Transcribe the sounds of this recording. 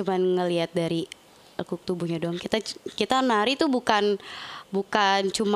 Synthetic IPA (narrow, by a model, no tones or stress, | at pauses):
umanŋəliat̪̚daɾi | kuk̚t̪ubuɲadoaŋkit̪akit̪anaɾit̪ubukanbukant͡ʃum